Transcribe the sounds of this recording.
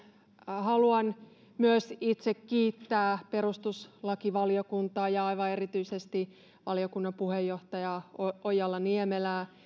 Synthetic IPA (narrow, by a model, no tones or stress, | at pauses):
hɑluɑn | myøsit̪sekkiːt̪ːæːpeɾust̪uslɑkiʋɑliokunt̪ɑːjɑɑiʋɑe̞rit̪yisest̪i | ʋɑ̰liokunːɑmpuhejːoht̪ɑjɑoojɑlːɑniemelæː